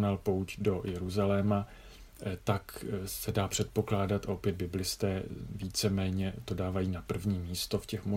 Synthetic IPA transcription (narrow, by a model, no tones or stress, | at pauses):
nalpowcdo̞jɛɾuzalɛːma | t̪aksɛdaːpr̥ɛt̪̚po̞klaːdat̪ʔopjɛd̪̚bɪblɪst̪ɛːviːt͡sɛmɛːɲɛt̪o̞daːvajiːnapr̩vɲiːmiːst̪o̞fcɛxmo